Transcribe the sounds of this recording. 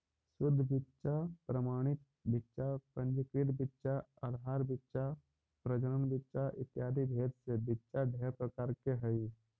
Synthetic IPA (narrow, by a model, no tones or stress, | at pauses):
sʊd̪ʱːbɪtːʃapɾəmaːɽ̃ɪt̪̚ | bɪtːʃapə̃ɲd͡ʒɪkɾɪʈbɪtːʃaəd̪ʱɦaːɾbɪtːʃa | pɾəd͡ʒənənbɪtːʃaʔɪt̪jaːd̪ʱibʱeːt̪sebɪtːʃaɖʱeːɾpɾəkaːɾkeɦəi